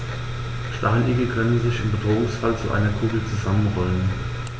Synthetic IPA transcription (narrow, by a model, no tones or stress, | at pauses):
ʃtaɪnʔɪɡɐkʰœnənzɪçɪmbədʁoːʊŋsfalt͡sṵʔa̰ɪnɐkʰuːɡl̩t͡suzamənʁɔlən